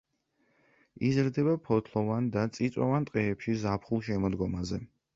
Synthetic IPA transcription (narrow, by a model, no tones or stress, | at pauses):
izɾd̪ɛbapʰɔt̪ʰlˠɔvand̪at̪sʼit̪sʼɔ̰vant̪ʼqʼɛːpʃizapʰχulˠʃɛmɔd̪ɡɔmazɛ